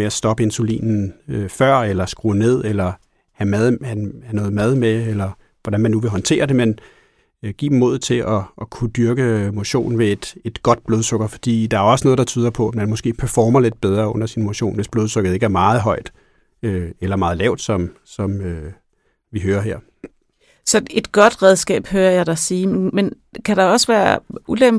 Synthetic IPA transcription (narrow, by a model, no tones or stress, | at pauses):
meæsd̥ɒ̽b̥əe̝nsulḭːnn̩øfɶɐ̰elɐsɡ̥ʁo̰ne̝ð̞̰ˠelɐ | hæmæðˠhhænɔ̽ːð̩ˠmæð̞ˠmeelɐ | ʋɒdænmænːuʋe̝ɦɒ̽nt͡sʰe̝̰ːɐd̥e̝men | ɡ̥ḭːb̥mo̝ð̩ˠt͡sʰe̝ʔɒ̽ːkʰud̥yɐɡ̥əmo̝ɕo̝̰ːnʋe̝ed̥e̝d̥ɡ̥ɒ̽d̥̚b̥loːðˠsɔ̽ɡ̥ɐfɒd̥ḭːd̥ɑ̈æɐɒ̽səno̽ːð̩ˠdɑ̈t͡sʰyːð̞ˠɐpʰɒ̽æ̥mænmɔ̽sɡ̥e̝̰ːpʰæɐfɒːmɐled̥̚b̥eð̞ˠʁɐːɔ̽n̰ɐsinmo̝ɕo̝̰ːnʋe̝sb̥lo̝ːð̞ˠsɔɡ̥ð̩ˠe̝ɡ̥æɐmɑ̈ːð̞̩ˠɦɒ̽ɪ̰d̥ | øelɐmɑ̈ːð̞̩ˠlɛ̰ʊd̥sɒ̽m | sɒ̽mø | ʋiɦøːɐɦeɐ̰ | sɒ̽e̝d̥ɡ̥ɒ̽d̥ʁɛð̞ˠsɡ̥ɛ̰ːb̥høːɐjɑ̈ɪd̥ɑsiːmen | kʰæɾ̥ɑ̈ɒ̽səʋæːɐʔulem